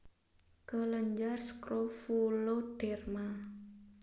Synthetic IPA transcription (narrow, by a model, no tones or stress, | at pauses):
kələɲd͡ʒarskɾofuloɖ̥ɛrma